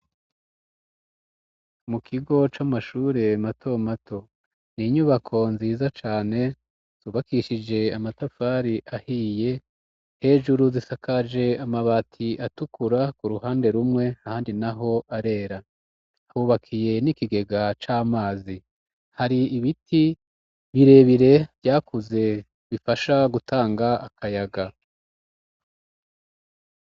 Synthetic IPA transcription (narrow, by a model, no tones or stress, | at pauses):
mukʰiɡo̞t͡ʃamaʃuːɾe̞matʰo̞matʰo̞ | niɲuːβakʰo̞nziːzat͡ʃaːne̞ | z̥uːβakiʃid͡ʒe̞amatafaɾiʔahiːje̞ | he̞ːʒuɾuzisakʰad͡ʒe̞amaβatʰiʔatukuɾakuɾuhaːnde̞ɾumŋe̞ahaːndinaɦo̞ʔaɾe̞ːɾa | huːβakʰije̞nikiɡe̞ɡat͡ʃaːmaːzi | haɾiːβiti | βiɾe̞ːβiɾe̞βɟaːkuze̞ | βifaʃaɡutʰaːŋɡaakʰajaɡa